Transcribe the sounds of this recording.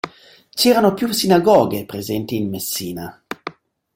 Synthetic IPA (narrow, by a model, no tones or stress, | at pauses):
t͡ʃɛːɾanopjusinaɡɔːɡepɾezɛnt̪iːnmesːiːna